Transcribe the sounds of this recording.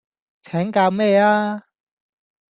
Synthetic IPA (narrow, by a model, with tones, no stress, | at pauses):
t͡sʰɛː˨˥ŋkaː˧wmɛː˥˧aː˥